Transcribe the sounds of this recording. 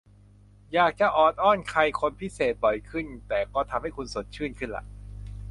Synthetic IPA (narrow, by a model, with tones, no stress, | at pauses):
jaː˨˩k̚t͡ɕa˨˩ʔɔː˨˩n̚ʔɔː˥˩nkʰa˧jkʰo˧npʰi˦˥˩seː˨˩t̪̚bɔ˨˩jkʰɯ˥˩nt̪ɛː˨˩kɔː˥˩t̪ʰa˧mha˥˩jkʰu˧nso˨˩˦t̪̚t͡ɕʰɯː˥˩˨nkʰɯ˥˩nla̰˧˩ʔ